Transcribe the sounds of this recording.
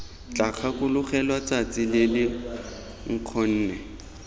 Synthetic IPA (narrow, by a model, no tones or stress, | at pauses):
t͡ɬak͡xʰakʊlʊχɛlwat͡sat͡sʼɪlɪlɪ | ŋ̩q͡χʰɔn̩ːnɛ